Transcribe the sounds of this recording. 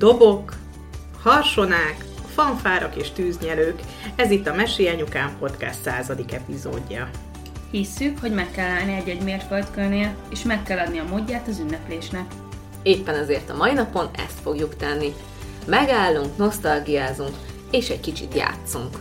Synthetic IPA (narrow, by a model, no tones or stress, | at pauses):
d̪̥o̞bo̞k | hɒrʃo̞naːk | fɒɱfaːɾɒkeːʃt̪yːzɲɛløːk | ɛzit̪ːɒmɛʃijɛɲukaːmpo̞t̪kɛ̰st̪saːzɒd̪ikɛpizo̰ːɟːɒ | hisːykho̞ɟmɛkːɛlːaːlniɛɟɛɟmeːrfølt̪kølneeːʃmɛkːɛlːɒd̪niɒmoɟːaːt̪ɒzynːɛpleːʃnɛk | eːpːɛnɛzeːrt̪ɒmɒinɒpo̞nɛ̰st̪fo̞ɡjukt̪ɛnːi | mɛɡaːlːuŋkno̞st̪ɒlɡijaːzuŋk | eːʃɛɟkit͡ʃḭt̪ja̰ːt̪suŋk